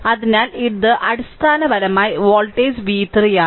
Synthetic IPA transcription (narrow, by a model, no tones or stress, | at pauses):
ɐðinaːliʈ̚d̪ɨʔɐɽist̪ʰaːnɐʋɐɾɐmaːjʋoːlʈeːsʋiːt̪rijaː